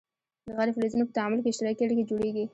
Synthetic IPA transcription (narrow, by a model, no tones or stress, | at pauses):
d̪əɣaɾeflezunopət̪aamʊlkeɪʃt̪ɪɾɑkeɽiked͡ʒoɽeɡi